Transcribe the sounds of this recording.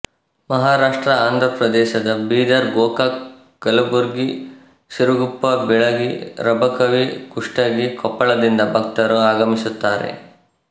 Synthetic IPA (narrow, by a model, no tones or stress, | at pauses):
mɐɦaːɾaːʂʈɾɐaːnd̪ʱɾɐpɾɐd̪ɛːʃɐd̪ɐbiːd̪ɐɾɡɔːka | ɡ̥ɐlɐbuɾɡi | siɾuɡupːɐbɛɭɐɡiɾɐbɐkɐʋikuʂʈɐɡikɔpːɐɭɐd̪ind̪ɐbʱɐk̚t̪ɐɾuaːɡɐmisut̪ːaːɾḛ